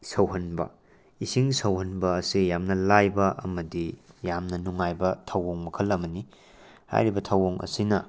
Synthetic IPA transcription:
sɐwɦɐnbɐ̰ | isiŋsɐwɦɐnbɐːsijamnɐlajbɐʔɐ̰mɐdijamnɐnuŋajbɐtʰɐwoŋmɐkʰɐlɐmɐni | ha̰jɾibɐtʰɐwoŋɐ̰sinɐ

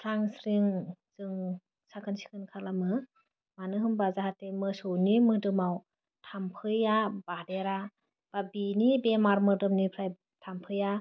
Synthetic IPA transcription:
pʰɾaŋsɾiŋzɯŋ | sakʰɯnsi̥kʰɯnkʰalamɯ | manɯɦɯmbazahatemɯsɔnimɯdɯmaw | tʰampʰɯjab̥adeɾa | b̥abinibemaɾmɯdɯmnipʰɾaj | tʰampʰɯja

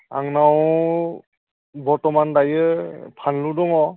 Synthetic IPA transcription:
a̰ŋnaw | bɔɾtɔmandajɯpʰanludɔŋɔ

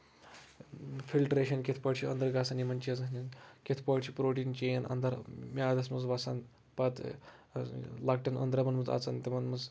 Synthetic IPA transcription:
fʰilʈɾeʃɐnkʲet̪ʰpɐɽt͡ʃʰiɐnd̪ɐɾɡaːsanimɐnʲt͡ʃiɐzɐsnʲinkʲet̪ʰpɐɽt͡ʃʰipɾoːʈiːnt͡ʃeɐnʔɐ̰nd̪ɐɾmʲaːd̪ɐsmɐzʋasan | pɐt̪ | lak̚ʈɐnə̰nd̪ɾɐmɐnmɐza̰ːt͡sant̪emɐnmɐz

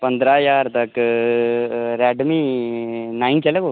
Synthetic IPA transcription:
pɐnd̪ɾaːjaːɾt̪ɐk | ɾɛːɖmi | najnt͡ʃɐleko

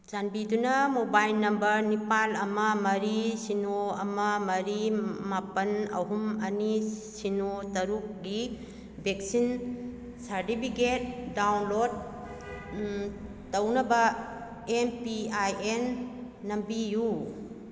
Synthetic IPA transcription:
d͡ʒanbidunɐmobajlnɐmbɐɾnipalɐmɐmɐɾisinoɐmɐmɐɾimapɐnɐ̰ɦumɐnisinotɐɾuk̚ɡi | bek̚sin | saɾtipʰiket̚dawnlod̚ | ɐwnɐbɐ | empiajenː | ɐmbiju

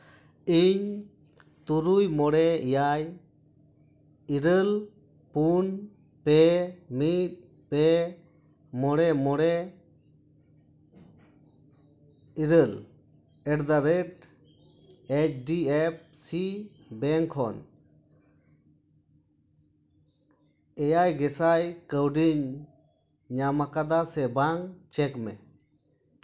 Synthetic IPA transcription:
iɲ | t̪uɾujmɔɽɛijaj | iɾəl | pun | pɛmit̪̚ | pɛ | mɔɽɛmɔɽɛ | iɾəl | ɛʈd̪aɾɛʈ | ɛt͡ʃɖiɛp̚si | bɛŋkʰɔn | ɛjajɡɛsajkəwɖiɲ | ɲamakad̪asɛbaŋt͡ʃɛkmɛ̰

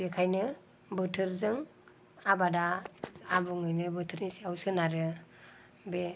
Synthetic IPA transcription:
bekʰajnɯ | bɯtʰɯɾzɯŋ | abadaː | bɯŋɯjnɯbɯtʰɯɾnisiawsɯnaɾɯ | be

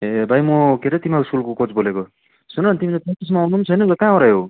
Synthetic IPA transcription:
ebʱajmokeɾʌt̪imauskulkokot͡sboleko | sunʌnt̪imilepʌis̬manunt͡sʰʌjnʌkʌkãõɾajɦo

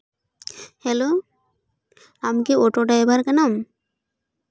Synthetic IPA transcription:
hɛlo | amkeɔʈoɖajbaɾkanam

